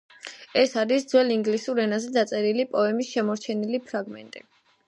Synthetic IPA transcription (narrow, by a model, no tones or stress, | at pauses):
ɛsaɾisd̪zwɛliŋɡlisuɾɛnazɛd̪at̪sʼɛɾilipʼɔɛmisʃɛmɔɾt͡ʃʰɛnilipʰɾaɡmɛ̰nt̪ʼḭ